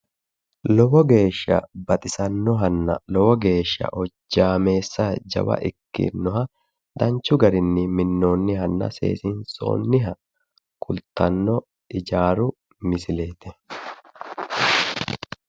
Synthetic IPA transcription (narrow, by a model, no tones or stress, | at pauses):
lɔbɔɡe̞ːʃːɐ̰bɐt̪ʼɪsɐnːɔɦɐnːɐ̰lɔbɔɡe̞ːʃːɐ̰ʔɔd͡ʒːaːme̞ːsːɐd͡ʒɐ̰wɐ̰ʔɪkːɪ̰nːɔɦɐ | d̪ɐnt͡ʃʊɡɐɾɪnːɪmɪnːo̞ːnːɪɦɐnːɐ̰sḛːsɪnso̞̰ːnːɪɦɐ | kʰʊlt̪ɐnːɔ | ɪd͡ʒaːɾʊ | mɪsɪle̞ːt̪ɛ